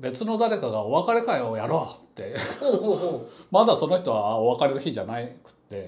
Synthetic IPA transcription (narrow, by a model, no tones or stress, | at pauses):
be̞t͡sɨno̞d̪aɾe̞kaɡao̞βakaɾe̞kaio̞jaɾoːt̪ːe̞ | mad̪aso̞no̞çʲi̥t̪o̞βaoβakaɾe̞ɾɯ̟çid͡ʑanaikɯ̟̥t̪ːe̞